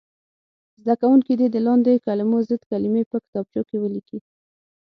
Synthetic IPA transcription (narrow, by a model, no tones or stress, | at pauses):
zd̪akawuŋkid̪id̪əlɑnd̪ekalɪmozəd̪kalimepəkɪ̥t̪ɑb̚t͡ʃokewəliki